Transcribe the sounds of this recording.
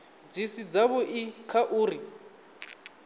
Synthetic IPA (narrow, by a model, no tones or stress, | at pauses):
d͡zisid͡zaβʊʔikʰaʔuːɾi